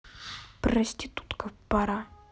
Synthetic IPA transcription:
pɾɐsʲtʲit̪u̥t̪kəfpaɾa

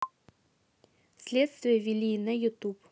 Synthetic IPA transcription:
sʲlʲet̪st̪vʲɪjəvʲɪlʲinəjʊt̪up

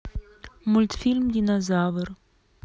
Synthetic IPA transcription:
mult̪filmd̪inazavər

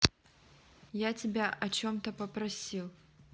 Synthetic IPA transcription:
jat͡sʲɪbʲaʔɐt͡ɕomt̪ɐpɐpɾɐsʲilˠ

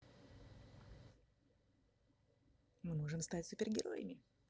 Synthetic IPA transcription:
mɨmoʐɨmst̪atʲsʊpʲɪrɡʲɪɾo̰jə̰mʲɪ

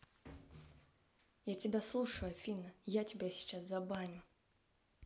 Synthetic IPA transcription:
jatʲɪbʲaslˠuʂəjuafʲinɐjatʲɪbʲasʲi̥t͡ʃaszabanʲʊ

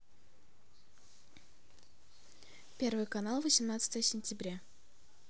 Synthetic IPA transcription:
pʲervɨjkɐnalˠvəsʲɪmnat̪sə̥t̪əjəsʲɪnʲtʲɪbɾʲa

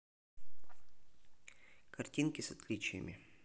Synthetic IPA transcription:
kɐrtʲinkʲɪsɐt̪lʲit͡ɕɪjə̰mʲɪ̰

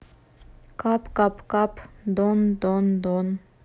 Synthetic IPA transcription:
kapkapkapd̪ɔnd̪ɔnd̪ɔn

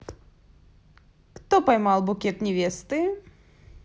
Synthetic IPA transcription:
kt̪ɔpɐjmalˠbʊkʲɛt̪nʲɛvʲɛst̪ɨ

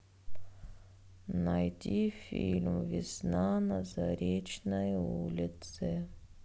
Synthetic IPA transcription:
najtʲifʲilʲmvʲɪsnanəzaɾʲet͡ɕnəjulʲɪt̪sɨ

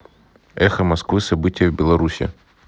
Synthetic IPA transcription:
ɛxɐmɐskvɨsɐbɨtʲɪjəvbʲɪlˠɐɾusʲɪ̰

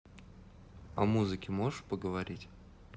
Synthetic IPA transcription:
ɐ̰muzɨkʲɪmoʐɨʂpəɡəvɐɾʲitʲ

